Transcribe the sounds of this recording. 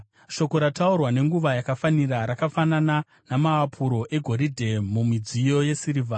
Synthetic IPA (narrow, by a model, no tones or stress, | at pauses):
ʃo̞ko̞ɾataurwane̞ŋɡuʋajakafaniraɾakafanana | namaːpʰuɾo̞ʔe̞ɡʱo̞ɾidʱe̞mumid͡zijo̞je̞siɾiva